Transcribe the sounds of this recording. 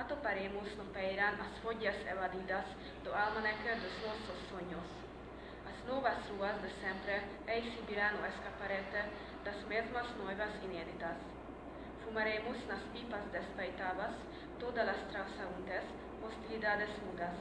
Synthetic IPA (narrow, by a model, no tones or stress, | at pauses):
at̪opaɾemosnopɛjɾanʔasfoɟasɛvad̪id̪as | d̪oalmanɛkɛɾd̪ɔsnososːoɲos | asnovasɾuasd̪ɛsɛmpɾɛ | ɛjsibilanoɛskapaɾɛt̪ɛ | d̪asmezmasnojvasineːd̪it̪as | fumaɾemosnaspipasd̪ɛspɛjt̪avas | t̪od̪alast̪ɾawsaunt̪ɛs | host̪ilid̪ad̪ɛsmud̪as